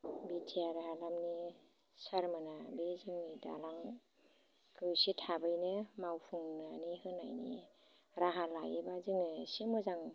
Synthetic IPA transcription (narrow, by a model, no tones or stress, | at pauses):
bitʰijaɾaɦalamni | saɾmɯnabezɯŋnida̰laŋ | kɯwsitʰabɯjnɯmawpʰɯŋnanihɯna̰jnḭ | ɾaɦalajebazɯŋɯsimɔzaŋ